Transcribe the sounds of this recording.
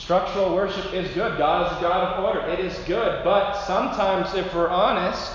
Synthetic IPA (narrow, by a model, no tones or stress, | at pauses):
stɹ̥ʌk̚t͡ʃə˞l̩ˠwɜ˞ʃɨpɪzɡʊd̚ɡɑɾ̚ɨzəɡɑɾəvɔɹɾə˞ʔɪɾɪzɡʊd̚bʌt̚sʌ̃mtʰãɪ̃mzɪfwɪɹʔɑnɨst